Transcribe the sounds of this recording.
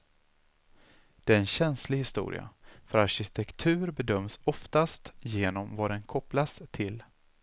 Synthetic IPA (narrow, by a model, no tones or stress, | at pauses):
d̪̥ɛæɾɛnɕɛnslɪhɪst̪ṵːɾɪ̰a̰fœɾaɾɕɪt̪ʰɛkt̪ʰʉ̟ːɾbɛd̪œmːsɔft̪ast̪jeːnɔmvad̪ɛnkʰɔplast̪ʰɪl